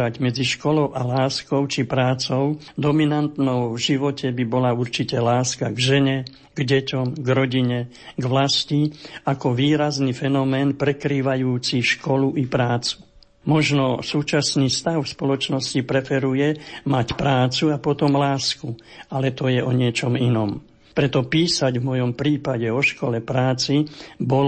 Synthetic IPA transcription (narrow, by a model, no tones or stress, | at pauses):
aɟmɛd͡ziʃkɔlɔʊʔalaːskɔʊt͡ʃipɾaːt͡sɔʊ | d̪ɔminant̪nɔʊvʒiʋɔcʰɛbibɔlauɾt͡ʃicɛlaːskaɡʒɛɲɛ | ɡ̥ɟɛcɔmɡɾɔɟiɲɛ | ɡʋlasciakɔʋiːɾaznifɛnɔmɛːnpɾɛkɾiːʋajuːt͡siʃkɔluʔipɾaːt͡su̥ | mɔʒnɔsuːt͡ʃasniːst̪aʊfspɔlɔt͡ʃnɔscipɾɛfɛɾujɛmacpɾaːt͡suapɔt̪ɔmlaːskualɛt̪ɔjɛʔɔɲɪɛt͡ʃɔminɔm | pɾɛt̪ɔpiːsaɟvmɔjɔmpɾiːpaɟɛɔʃkɔlɛpɾaːt͡sibɔl